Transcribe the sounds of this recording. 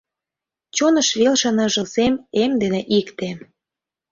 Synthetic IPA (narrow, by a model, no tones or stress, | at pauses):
t͡ɕonə̆ʃβelʃə̆nɤ̆ʒə̆lsememd̪eneʔikt̪e